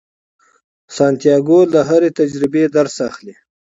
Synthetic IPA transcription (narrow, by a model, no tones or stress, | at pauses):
sɑnt̪ijɑɡolaɦaɾet̪ad͡ʒɾɪbed̪aɾsaxli